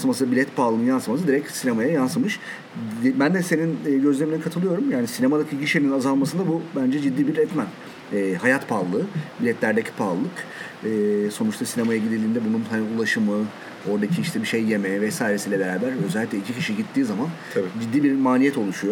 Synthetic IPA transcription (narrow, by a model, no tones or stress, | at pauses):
smasɯbilʲɛt̪pʰaːlˠɯnjansmas̬ɯd̪iɾɛcsinemajajansɯmɯʃ | bænd̪ɛse̞ninːɟø̞zlʲe̞minikʰat̪ʰɯlˠɯjo̞ɾumjaːnisinemad̪acʰiɟiʃeninazalˠmasɯnd̪abubænd͡ʒɛd͡ʒid̪ːiːbiɾɛt̪mæn | ɛːhajat̪pʰalˠɯːbilʲɛt̪ʰlʲæɾd̪ecʰi̥pʰaːlˠɯk | ɯːso̞nut͡ʃt̪ʰasinemajaɟid̪ilʲiːnd̪ɛbununhaniulˠaʃɯmɯ | o̞ɾd̪acʰiiʃt̪ʰɛbiʃejːe̞mɛvɛsaːjiɾesiːlʲɛbe̞ɾaːbæɾø̞zɛlʲːiclʲɛd͡ʒʰicʰiʃiɟit̪ʰːiːzamanʰbd͡ʒid̪ːiːbiɾmaːlʲijɛt̪ʰo̞lˠuʃujo